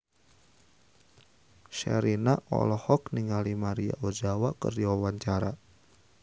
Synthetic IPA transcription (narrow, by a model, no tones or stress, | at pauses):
ʃɛ̰ɾinaʔɔ̰lɔhɔkniŋalimaɾia̰ʔod͡ʒawakə̰rdiwawaɲt͡ʃaɾa